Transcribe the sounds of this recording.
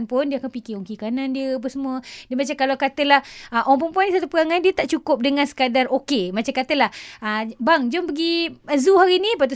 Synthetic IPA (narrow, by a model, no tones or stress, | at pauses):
npʊndiəakanpikioŋkikanãndiəap̬ənsəmuədəmat͡ʃamkalakat̪əlahəʔɔŋpənpuandisat̪upəɣaŋãndiət̪aʔt͡ʃukʊp̚dəŋãnsə̥kadarokemat͡ʃamkat̪əlahəbaŋd͡ʒɔmpəɡiəzuɦaɾinipat̪̬u